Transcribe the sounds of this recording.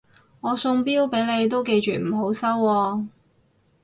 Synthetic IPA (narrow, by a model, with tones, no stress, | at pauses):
ŋɔː˨˧sʊ˧ŋpiː˥wpe˨˥jne˨˧jt̪o˥wke˧jt͡ʃyː˨m̩˨˩ɦo˨˥wsɐ˥wːɔː˧